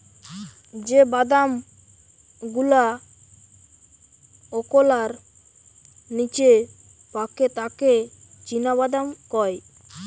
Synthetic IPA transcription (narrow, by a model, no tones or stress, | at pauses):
d͡ʒebad̪am | ɡula | ɔkolaɾ | nit͡ʃe | paket̪aket͡ʃinaβad̪amkɔj